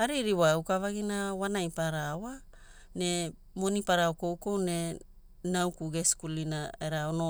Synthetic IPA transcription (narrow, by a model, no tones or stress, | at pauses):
aɾiɾiwaukavaɡinawanajpaɾawa | ne̞ | mo̞nipaɾawko̞wko̞wne̞ | nawkuɡeskulinaeɾaono